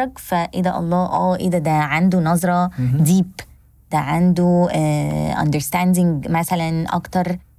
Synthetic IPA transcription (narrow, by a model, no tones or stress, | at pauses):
ɑɡfæʔed̪æʔɑ̰lˤːɑːʔæːʔed̪æd̪æʕand̪unɑzˤɾˤɑd̪iːb | d̪̥æʕand̪u | ʔɑ̰nd̪əɾst̪ænd̪ɪŋɡmæsælænʔɑ̰kt̪ɑɾˤ